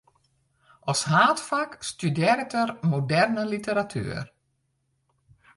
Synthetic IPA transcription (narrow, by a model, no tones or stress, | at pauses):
ʔɔshaːtfakstydɪːɾətərmodɛrnəlitəɾatʰy̰ːər